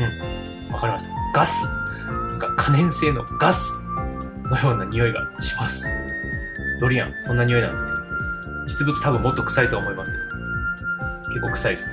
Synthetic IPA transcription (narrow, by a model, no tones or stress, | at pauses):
ɯ̟̃ɴ | βakaɾʲimaɕi̥t̪ḁɡ̥asɨ̥nãŋkakʰanẽ̞ɰ̃se̞ːno̞̰ɡ̥asɨ̥ | nojo̞ːnaɲ̟ʲijo̞iɡa̰ɕi̥masɨ̥ | d̪̥o̞ɾʲiã̰ŋsõ̞nːaɲ̟ijo̞inã̰nd̪esɨn | d͡ʑit͡sɨbɯt͡sɨ̥t̪abɯ̟mːo̞t̪ːokɯ̟̥sait̪oːmo̞imasɨ̥ke̞d̪o | ke̞kːo̞ːkɯ̟̥saisɨ̥